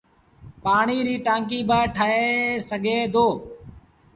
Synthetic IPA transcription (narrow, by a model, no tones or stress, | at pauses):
paːɳiːɾiːʈãːŋk̬iːbaːʈʰaɦeːsəɡʱeːd̪ʱoː